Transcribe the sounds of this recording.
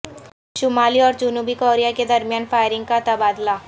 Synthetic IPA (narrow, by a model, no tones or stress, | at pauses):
ʃʊmaːliɔːɾd͡ʒʊnuːbikoːɾijaked̪ɐɾmijaːnfaːɪɾɪ̃ŋɡ̚kat̪ɐbaːd̪la